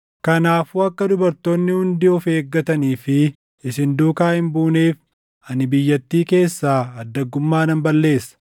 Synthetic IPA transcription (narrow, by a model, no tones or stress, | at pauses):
kɐnaːfuːɐkːɐd̪ʊbɐɾt̪oːnːɪhʊnd̪ɪɔfe̞ːɡːɐt̪ɐniːfɪ | ɪsɪnd̪uːkaːhɪmbuːneːf | ɐnɪbɪjːɐt̪ːiːke̞ːsːaːɐd̪ːɐɡːʊmːaːnɐmbɐlːe̞ːsːɐ̥